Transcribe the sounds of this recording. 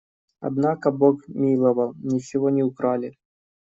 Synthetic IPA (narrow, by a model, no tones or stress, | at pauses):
ɐ̰d̪nakəbokmʲilˠəvəlˠnʲɪt͡ɕɪvonʲɪʊkɾalʲɪ